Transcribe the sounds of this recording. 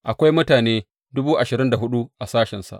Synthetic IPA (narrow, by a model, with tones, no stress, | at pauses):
ʔa˨kʷa˦jmʊ˦taː˨neː˦ | dʊ˦buː˦ʔa˨ʃɪ˨ɾɪ˦nda˨ɦʊ˦ɗu˦ʔa˨saː˦ʃɛ˨nsa̰˨ʔ